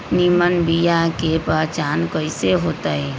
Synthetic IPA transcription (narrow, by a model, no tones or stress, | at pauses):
nimənbijakepaːt͡ʃaːnkəɪseɦoːt̪aɦɛ